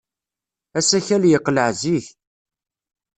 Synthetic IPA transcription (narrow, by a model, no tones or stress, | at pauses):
æsæçæljəqːləʕziç